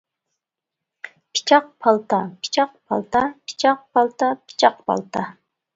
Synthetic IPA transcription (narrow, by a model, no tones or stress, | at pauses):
pʰi̥t͡ʃʰɑq̚pʰɑlˠt̪ɑpʰi̥t͡ʃʰɑqpʰɑ̰lˠt̪ɑpʰi̥t͡ʃʰɑq̚pʰɑlˠt̪ɑpʰi̥t͡ʃʰɑqpʰɑ̰lˠt̪ʰɑ